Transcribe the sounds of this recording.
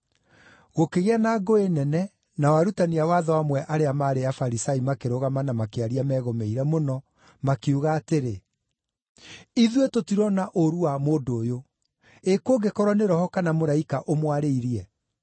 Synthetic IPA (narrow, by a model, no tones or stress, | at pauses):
ɣokeɣeanaːɡoenɛnɛ | nawaɾutaniawaːðɔwamwɛʔaɾeamaːɾeafaɾisaimakeɾoɣamanamakeaɾiamɛːɣomeiɾɛmonɔ | makeuɣaːteɾe | iðwetotiɾɔnaʔoɾuwamoːdoːjo | ekoːɡekɔɾɔneɾɔhɔkanamoɾaikaʔomwaɾeiɾiɛ